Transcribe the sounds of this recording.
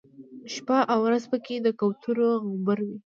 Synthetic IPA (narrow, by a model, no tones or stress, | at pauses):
ʃpaʔawɾazpəked̪əkawt̪ʰuɾoɣʊbəɾwi